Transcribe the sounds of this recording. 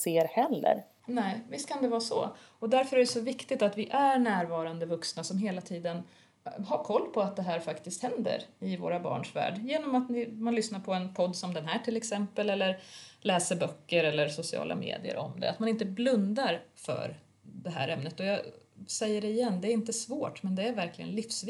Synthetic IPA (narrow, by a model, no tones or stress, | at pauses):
seːɾhɛlːə̰ɾ | nɛːvɪst̪kʰand̪ɛvɑːsɔ̰ | ɔd̪æɾfœɾæɖɛsɔvɪkt̪ɪɡ̚t̪at̪vɪʔæɾɳæːɾvɑːɾand̪əvɵksnasɔmɦeːlat̪ʰiːd̪ən | ɦaɾkʰɔlːpʰɔat̪̚d̪ɛɦæːɾfakt̪ɪst̪hɛnd̪ə̰ɾɪvo̰ːɾabɑ̰ːɳʂvæ̰ːɖjeːnɔmat̪nɪmanlʏsnaɾpʰɔɛnpʰɔd̪ːsɔmd̪ɛnɦæːʈʰɪlɛksɛmpəlɛlːəɾlɛːsəɾbœkːəɾɛlːəɾsʊsɪɑ̰ːlʔa̰mḛːd̪ɪə̰ɾɔ̰md̪ɛ̰a̰t̪manɪnt̪əblɵnd̪aɾfœ̰ɾ | d̪ɛɦæ̰ːɾɛmnət̪ɔjɑsɛjːəɖɛɪjɛnːd̪ɛːɾɪnt̪əsvoːʈmɛnd̪ɛæɾvæɾklɪɡə̰nlɪfsvɪ